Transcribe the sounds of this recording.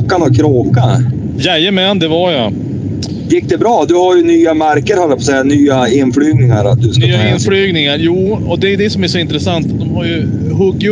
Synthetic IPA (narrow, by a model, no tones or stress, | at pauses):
kːanɔkʰɾoːka | jɛjəmɛnd̪ɛvaja | jɪk̚ːd̪ɛbɾɑːd̪ɵhaɾjɵnyːamaɾkəɾhalːəpʰɔsɛːanyːaɪnflyːɡnɪŋa̰ɾa̰t̪̚d̪ɵsk̪ayːaɪnflyːɡnɪŋaɾjuːɔd̪ɛjɵd̪ɛsɔmæʂɔɪnt̪ɾɛsant̪d̪ɔmɦaɾjɵ | ɦɵɡːɪ